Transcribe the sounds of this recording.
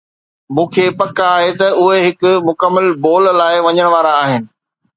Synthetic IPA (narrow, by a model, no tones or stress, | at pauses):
mũːkʰeːpɐkːɦet̪ɐʊɦeɦɪkʊmʊkəmːəlboːlːaːɪʋɐɲəɽ̃ʋaːɾaːɦɪnɪ̆